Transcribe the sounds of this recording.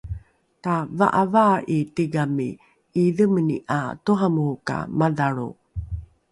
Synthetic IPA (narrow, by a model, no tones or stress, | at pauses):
tava̰ʔavaitiɡamiː | ðəməniʔatuɦamuuka̰maðaɾṵ